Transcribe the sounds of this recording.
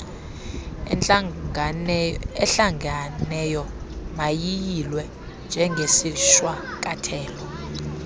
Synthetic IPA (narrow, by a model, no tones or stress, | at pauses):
ɛɬaŋanɛjɔmajijilwɛ | nd͡ʒʱɛŋɡʱesiʃwak̬ʼatʰɛːlɔ